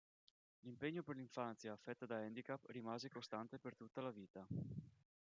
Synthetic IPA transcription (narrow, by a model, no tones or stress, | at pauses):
limpeɲːoperliɱfant̪sjaːfːɛt̪ːad̪aɛnd̪ikapːrimaːzekost̪ant̪epert̪ut̪ːalaviːt̪a